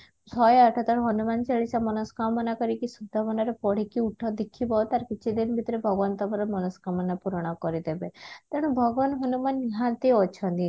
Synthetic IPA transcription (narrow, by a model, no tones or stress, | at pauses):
sɔjɔʈʰɔt̪ɔɾɦɔnumant͡ʃeɭisamɔnɔskamɔnakɔɾikisud̪ʱːamɔnaɾepɔɽ̤ikiuʈʰɔd̪ikʰibɔt̪aɾkit͡ʃʰid̪inbʱit̪ɔɾebʱɔɡɔʋɔnt̪ɔbɔɾɔmɔnɔskamɔnapuɾɔɽ̃ɔkɔɾid̪ebet̪eɽ̃ũbʱɔɡɔʋanɦɔnumaniɦãt̪iɔt͡ʃʰɔnt̪i